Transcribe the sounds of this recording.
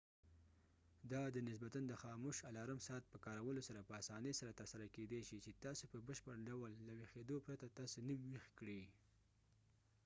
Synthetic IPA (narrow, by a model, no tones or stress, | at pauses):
d̪ɑd̪ənɪs̬bat̪and̪əxɑmoʃalɑɾamsɑat̪̚pəkɑɾawəlosaɾapəasɑnəjsaɾat̪əɾsaɾaked̪eʃit͡ʃet̪ɑsopəbəʃpəɾɖawəlːawexed̪opɾat̪at̪ɑsonəwiwixkɽi